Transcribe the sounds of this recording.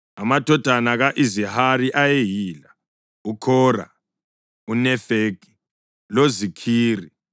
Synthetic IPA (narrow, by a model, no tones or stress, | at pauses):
amatʰʼɔtʼanaɣaʔizihaɾiʔajeɦiːla | ukʰɔːra̰ | unɛfeːkʼi̥ | lozikʰiːri